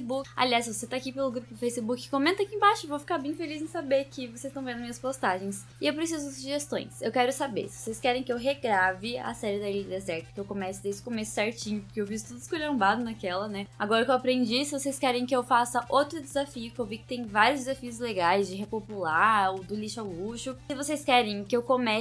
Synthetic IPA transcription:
bukɪa̰liasvoset̪aːkipelʊɡɾupʊd̪ɪfejsɪbukɪkõmẽnt̪ɐkĩbaʃʊvowfi̥kaɾbẽj̃felizẽj̃sabeɾkɪvosest̪ɐ̃vẽd̪ʊmĩɲɐspost̪aʒẽj̃s | ɪewpɾesizʊd̪ɪsuʒest̪õ̰j̃sewkɛɾʊsabḛɾsɪvosejskɛɾẽj̃kɪewɦeɡɾavɪɐ̰sɛɾɪd̪ɐilɐd̪ezɛɾt̪ɐ̥kɪewkomɛsʊd̪ezd͡ʒɪ̥komesʊ̥sɛɾt͡ʃĩɲʊpoɾkeewvizsʊ̥t̪ud̪ʊskulɐ̃mbad̪ʊnakɛlɐnɛaɡɔɾɐkewapɾẽnd͡ʒisɪvosejskɛɾẽj̃kɪewfasɐʔowt̪ɾʊd̪ɪzafiʊkɪewvikɪ̥t̪ẽj̃vaɾjʊzdd͡ʒɪzafiʊzleɡajzd͡ʒɪɦepopulaod̪ʊliʃʊaluʃʊsɪvosejskɛɾẽj̃kɪewkomɛ

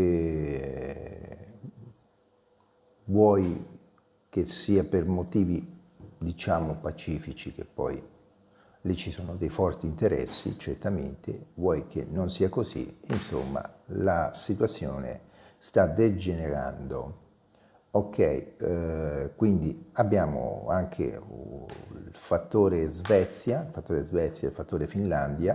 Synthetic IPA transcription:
vwɔj | kesiːapermot̪iːvi | d̪it͡ʃaːmopat͡ʃiːfit͡ʃik̟epːɔ̰j | lit͡ʃːisoːnod̪ejfɔrt̪iːnt̪eɾɛ̰sːḭt͡ʃert̪amḛnt̪ḛvwɔjkʰenːonsiːakozḭinso̰mːa̰lasit̪wat̪sːjoːnḛ | st̪ad̪ed͡ʒeneɾa̰nd̪o | okʰːɛj | kwind̪iabːjaːmo̰aŋkʰḛ | lfat̪ːoːɾezvɛt̪sːjalfat̪ːoːɾezvɛt̪sːjailfat̪ːoːɾefinland̪ja

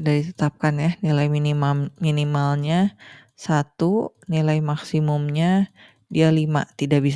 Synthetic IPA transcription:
dadit̪ə̥t̪ap̚kanjahnilajminimamminimalɲa | sat̪unilajmaksimʊmɲa | dialima̰t̪idaʔbis

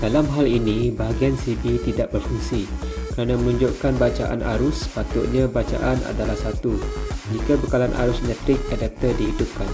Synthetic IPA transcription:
d̥alamɦalinĩbaɦaɡiansibit̪idaʔbərfuŋsikəɾanãmənũɲd͡ʒoʔkanbat͡ʃa̰ʔa̰na̰ɾʊspat̪ʊʔɲãbat͡ʃa̰ʔanʔa̰dalahsat̪ud͡ʒikabəkalanʔa̰ɾʊsnɛ̃t̪ɾɪk̚adɛp̚t̪ərdiɦidʊp̚kan

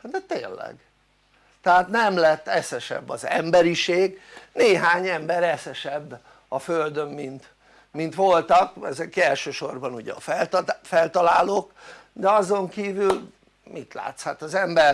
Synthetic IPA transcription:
d̪ɛt̪eːnlɛ̰ɡ | t̪ɛɦaːt̪nɛmlɛt̪ːɛsɛʃɛ̰bːɒzɛmbɛɾiʃeːɡneːɦaːɲɛmbɛɾɛsɛʃɛbː | ɒføld̪ø̞mːint̪ | mint̪ʋo̞lt̪ɒkɛzɛkɛlʃøːʃo̞rbɒnuɟɛɒ̰fɛlt̪fɛlt̪ɒlaːlokd̪ɛɒzo̞ŋkiːvyl | mit̪la̰ːt̪shat̪ɒzɛmbɛr

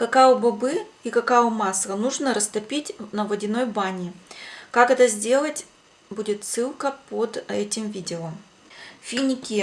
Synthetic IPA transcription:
kɐkaʊbɐbɨikɐkajʊmaslənuʐnəɾəst̪ɐpʲitʲnəvɐdʲɪno̞jbanʲɪkakɛt̪əzʲdʲe̞lˠətʲ | budʲɪt̪sɨlˠkəpod̪ɛtʲɪmvʲidʲɪom | fʲinʲɪkʲi

